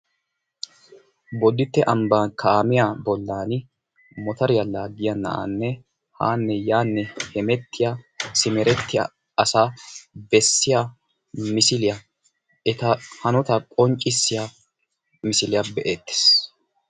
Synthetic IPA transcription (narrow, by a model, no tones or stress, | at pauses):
bɔd̪ɪt̪ːɛʔɐmbaːnkʰaːmɪjaːbɔlːaːn | mɔt̪ɐɾɪjɐlaːɡɪjɐnɐ̰ʔa̰ːnːɛ | ha̰ːnːɛjaːnːɛhɛmɛt̪ːɪjasɪmɛɾɛt̪ːɪja̰ | ɐsaːbɛsːɪja | mɪsɪlɪjɐ | ɛt̪ɐhɐnɔt̪ɐkʼɔɲt͡ʃʼːɪsːɪja | mɪsɪlɪjabɛʔeːt̪ːe̥s